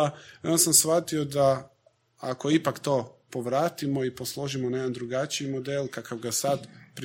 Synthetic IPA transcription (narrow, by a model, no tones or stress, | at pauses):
io̞nsamsʋat̪iod̪a | ako̞ipakt̪o̞ːpo̞ʋɾaːt̪imo̞ipo̞slˠo̞ʒimonajed̪and̪ɾuɡat͡ʃiimod̪elˠkakaʋɡasad̪pɾi